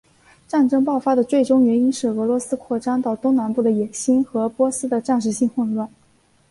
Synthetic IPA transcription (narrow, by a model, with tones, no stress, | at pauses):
ʈ͡ʂa˥˩nʈ͡ʂɤ˥ŋpɑ˥˩ʊfa˥d̪ə˨t͡swe˥˩ɪʈ͡ʂʊ˥ŋɥɛ˧˥ni˥nʂɻ̩˥˩ɤ˧˥lwɔ˧˥sɹ̩˥kʰwɔ˥˩ʈ͡ʂa˥nt̪ɑ˥˩ʊt̪o˥ŋna˧˥npu˥˩d̪ə˩jɛ˨˩nɕi˥nxɤ˧˥pwɔ˥sɹ̩˥d̪ə˨ʈ͡ʂa˥˧nʂ̬ɻ̩˥˧ɕi˥˧ŋxwə˥˧lwa˥˩n